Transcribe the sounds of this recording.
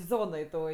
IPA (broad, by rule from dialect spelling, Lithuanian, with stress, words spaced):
ˈzoːnoːj toːj